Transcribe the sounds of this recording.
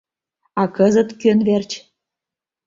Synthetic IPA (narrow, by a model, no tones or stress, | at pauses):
ɑkɤzə̆t̪kønβert͡ɕ